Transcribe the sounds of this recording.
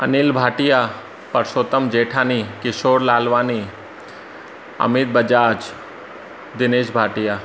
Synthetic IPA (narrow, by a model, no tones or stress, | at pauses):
ɐ̰nilbʱaːʈija | pɐɾsoːt̪əmd͡ʒeːʈʰaːnikɪʃoːɾlaːlʋaːni | ɐ̰mɪt̪̚bɐd͡ʒaːd͡ʒ | d̪ɪneːʃbʱaːʈijaː